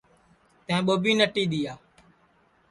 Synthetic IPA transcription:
t̪ẽːɓoːbiːnəʈiːɗ̪iːjaː

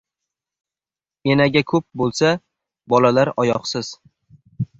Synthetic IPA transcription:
enaɡʲakʰɵp̚bolˠsa | bɒlalaɾɒjɒqsɪz̥

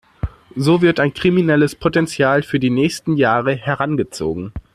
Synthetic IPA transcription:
zoːvɪɐtaɪnkʁ̥iminɛləspʰotɛnt͡sjaːlfyːɐdiːnɛːçstn̩jaːʁəhɛɐʁanɡət͡so̰ːɡŋ̩

